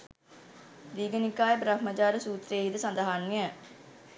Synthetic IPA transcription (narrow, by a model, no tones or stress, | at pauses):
d̪iːɡənɪkːaːebɾəkməd͡ʒaːɾsuːt̪ɾeːɦid̪esə̃nd̪əɦaːnːiɛ